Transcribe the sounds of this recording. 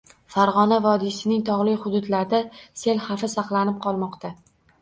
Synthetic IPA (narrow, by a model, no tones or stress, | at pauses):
faɾʁɒnavɒd̪isɪnɪŋt̪ʰɒʁlˠɪjχʊd̪ʊd̪laɾd̪ase̞lhafɪsɑqlˠanɪp̚qʰɒlˠmɒqt̪ʰa